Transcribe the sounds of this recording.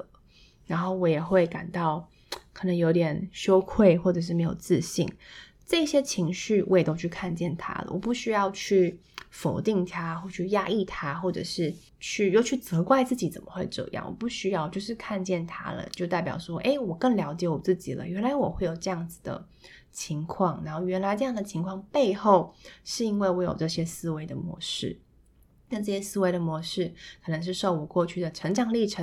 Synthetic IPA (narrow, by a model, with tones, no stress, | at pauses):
ɻa˧˥nxo˥˩ʊwɔ˧˥jɛ˨˩xwe˥˩ɪka˨˩nt̪ɑ˥˩ʊ | kʰə˨˩nɤ˧˥ŋjo˧˥ʊt̪jɛ˨˩nɕjo˥ʊkʰwe˥˧ɪxwɔ˥˩ʈ͡ʂɤ˨˩ʂ̬̩˥˩me˧˥ɪjo̰˨˩ʊt͡sɹ̩˥˧ɕḭ˥˩ŋ | ʈ͡ʂɤ˥˧i˥˩ɕjɛ˥t͡ɕʰi˧˥ŋɕy˥˩wʔɔ˧˥jɛ˨˩t̪o˥ʊt͡ɕʰy˥˧kʰa˥˧nt͡ɕjɛ˥˩nt̪ʰa̰˥lə̰˩wɔ̰˨˩pu˥˩ɕy˥jɑ˥˧ʊt͡ɕʰy˥˩ | fo˨˩ʊt̪i˥˩ŋt̪ʰa˥xwɔ˥˧t͡ɕʰy˥˧ja˥i˥˩t̪ʰa˥xwɔ˥˩ʈ͡ʂɤ̰˨˩ʂɻ̩˥˧ | t͡ɕʰy˥˩jo˥˧ʊt͡ɕʰy˥˩t͡sɤ˧˥kwa˥˧ɪt͡sɹ̩˥˩t͡ɕi˨˥t͡sə˨˩nmə˦xwe˥˧ɪʈ͡ʂɤ̰˥˧˩jɑ̰˥˩ŋwɔ̰˨˩pu˥˩ɕy˥jɑ˥˧ʊt͡ɕjo˥˧ʊʂɻ̩˥˧kʰa˥˧nt͡ɕjɛ˥˩nt̪ʰa̰˥lə̰˨t͡ɕjo˥˧ʊt̪a˥˩ɪpjɑ̰˨˩ʊʂwɔ˥ʔe˥˩ɪwɔ˨˩kə˥˩ŋljɑ˧˥ʊt͡ɕjɛ˧˥wɔ˨˩t͡sɹ̩˥˩t͡ɕi˨˩lə̰˦ɥɛ˧˥nla˧˥ɪwɔ˨˩xe˥˩ɪjo˨˩ʊʈ͡ʂɤ˥˧jɑ˥˩ŋd͡zɹ̩˩d̪ə̰˩ | t͡ɕʰi˧˥ŋkʰwɑ˥˩ŋna˧˥nxo˥˩ʊɥɛ˧˥nla˧˥ɪʈ͡ʂɤ˥˧jɑ˥˩ŋd̪ə˩t͡ɕʰi˧˥ŋkʰwɑ˥˧ŋpe˥˧ɪxo˥˩ʊʂɻ̩˥˧i˥nwe˥˩ɪwɔ˧˥jo̰˨˩ʊʈ͡ʂɤ˥˩ɕjɛ˥sɹ̩˥we˧˥ɪd̪ə˨mwɔ̰˧˥ʂɻ̩˥˩ | na˥˩˧ʈ͡ʂɤ˥˩ɕjɛ˥sɹ̩˥we˧˥ɪd̪ə˨mwɔ˧˥ʂɻ̩˥˩kʰɤ˨˩nɤə˧˥ŋʂ̬ɻ̩˥˧ʂo˥˩ʊwɔ˨˩kwɔ˥˧t͡ɕʰy˥˩d̪ə˩ʈ͡ʂʰɤ˧˥ŋʈ͡ʂɑ˨˩ŋli˥˩ʈ͡ʂʰə˧˥